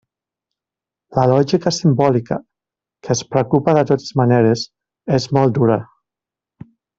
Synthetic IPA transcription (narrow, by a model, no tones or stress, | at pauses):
ləlɔʒikəsimbɔlikə̰ | kəːspɾəkupəðət̪ot̪e̥zmaneɾez | ezmɔlˠd̪uɾə